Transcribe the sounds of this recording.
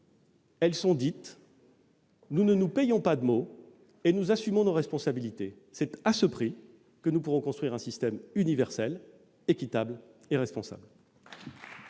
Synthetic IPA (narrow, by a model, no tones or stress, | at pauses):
ɛlsɔ̃d̪it̪ | nunənupejɔ̃pad̪əmo | enuzasymɔ̃noʁɛspɔ̃sabilit̪e | sɛt̪asəpχi | kənupuʁɔ̃kɔ̃st̪χɥiʁɛ̃sist̪ɛmynivɛʁsɛl | ekʲit̪ableʁɛspɔ̃sa̰bl